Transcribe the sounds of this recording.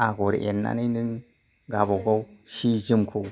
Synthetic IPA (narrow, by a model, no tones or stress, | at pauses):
aɡoɾ̰ḛɾna̰ninin | ɡaboɡawʃid͡ʒimkʰo